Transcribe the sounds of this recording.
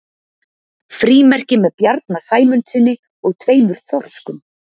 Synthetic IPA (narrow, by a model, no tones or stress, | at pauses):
fɾiːmɛr̥cɪmɛðpjaɾt̪̚nasaːjmʏnt̪sɪnːɪ | ɔɣt̪ʰveːjmʏɾ̥θɔr̥skʏm